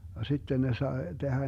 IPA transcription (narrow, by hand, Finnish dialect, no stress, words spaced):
jɑ sitːen ne sɑe d̥ehæ